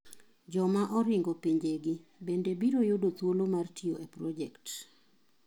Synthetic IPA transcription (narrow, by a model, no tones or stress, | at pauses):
d͡ʒɔmaʔɔɾɪŋɡɔpiɲd͡ʒeɡɪbendebiɾojodot̪wolomartʰioepɾɔd͡ʒɛkt